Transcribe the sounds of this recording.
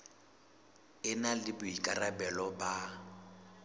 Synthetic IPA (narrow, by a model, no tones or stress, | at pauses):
ɪnalɪbʊikʼarabɛlɔba